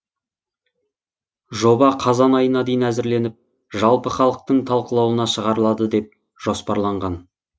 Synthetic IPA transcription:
ʒo̞bɑqʰɑzɑnɑjənɑd̪ejnæzɪɾle̞nɪp̚ | ʒɑlˠpəχɑlˠəq̚t̪əɴt̪ʰɑlˠqəlˠɑwənɑʃəʁɑɾəlˠɑd̪əd̪e̞p̚ | ʒ̥o̞spɑɾlˠɑɴʁɑn

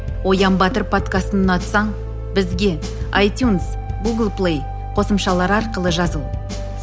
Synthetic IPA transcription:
wo̞jɑmbɑt̪əɾpʰo̞t̪kast̪ənnɑt̪sɑɴ | bɪzɡʲe̞ | ajt̪juns | ɡuɡəlˠplˠej | qʰo̞səmʃɑlˠɑɾɑɾqəlˠəʒɑzəlˠ

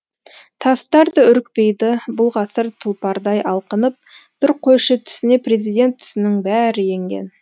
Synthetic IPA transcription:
t̪ʰɑst̪ɑɾd̪əʏɾɪk̚pe̞jd̪ɪbʊlˠʁɑsəɾt̪ʰəlˠpɑɾd̪ɑjʔɑlˠqənəp̚b̥ɪɾqʰojʃət̪ʰʏ̥sɪne̞pre̞zijd̪e̞nt̪ʰːʏ̥sɪnɪŋbæɾɪje̞ŋɡʲḛn

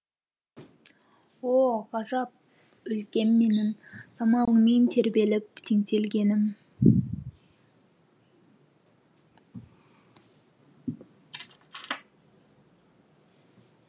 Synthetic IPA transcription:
woʁɑʒɑp̚ | ɵlkʲe̞mme̞nɪnsɑmɑlˠəment̪ʰe̞ɾbe̞lɪp̚t̪ʰeŋt̪e̞lɡʲe̞nɪm

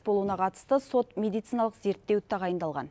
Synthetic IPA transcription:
bo̞lˠuənɑqʰɑt̪ə̥st̪əso̞t̪mʲe̞d̪ijt̪sinɑlˠəqze̞ɾt̪ːe̞wt̪ʰɑʁɑjənd̪ɑlˠʁɑ̰n

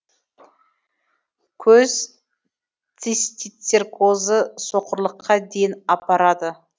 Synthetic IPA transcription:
kʲʰɵz | t̪ʲʰest̪ʲit̪sʲerkʰozəso̞qəɾlˠəqʰːɑd̪ejɪnɑpɑɾɑd̪ə

